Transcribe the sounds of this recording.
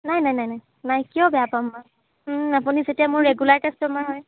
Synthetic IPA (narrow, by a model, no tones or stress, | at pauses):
najnajnajnaj | najkijɔbɛjapamːa | apunizetijamʊɹːeɡulaɹkɛstɔmaɦɔj